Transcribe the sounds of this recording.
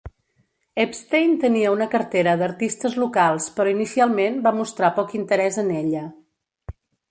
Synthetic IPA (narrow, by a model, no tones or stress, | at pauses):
ɛpst̪ejnt̪əniəunəkəɾt̪eɾəðəɾt̪ist̪əzlukalˠspəɾɔinisialˠmenbamust̪ɾapɔkint̪əɾɛzəneʎə